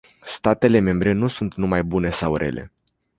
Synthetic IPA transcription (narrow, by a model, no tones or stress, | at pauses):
st̪at̪e̞le̞me̞mbɾe̞nusunt̪numajbune̞sawɾe̞̰lʔe̞̰